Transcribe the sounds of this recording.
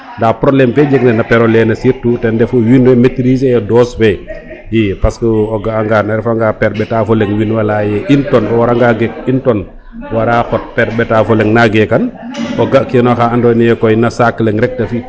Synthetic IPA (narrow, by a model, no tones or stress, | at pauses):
ndaːpɾoblɛmfɛd͡ʒeɡnɛnapɛɾɔlɛnɐsiɾtutɛndɛfuwinwɛmetɾis̬ɛjɛdɔswɛ | jipaskəɔɡaaŋɡanaɾɛfaŋɡapɛɾbɛtaːfɔlɛŋwinwalajɛʔintɔnɔwaɾaŋɡaɡɛk̚intɔn | waɾaxɔt̚pɛɾbɛtafɔlɛŋnaɡɛkanɔɡakɛnɔxaandɔnijɛkɔjnasakːlɛŋɾɛk̚tafi